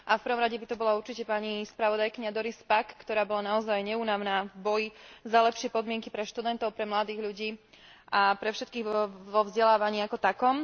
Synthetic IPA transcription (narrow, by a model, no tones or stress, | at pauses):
ʔafpɾ̩ʋɔmɾaɟɛbit̪ɔbɔlauɾt͡ʃicɛpaɲispɾaʋɔd̪ajkiɲad̪ɔɾispakːt̪ɔɾaːbɔlanaɔzajɲɛuːnaʊnaːvbɔjizalɛpʃɪɛpɔd̪mɪɛŋkipɾɛʃt̪ud̪ɛnt̪ɔʊpɾɛmlad̪iːɣʎuɟiː | ʔapɾɛfʃɛt̪kiːɣʋɔʋɔvzɟɛlaːʋaɲiːakɔt̪akɔm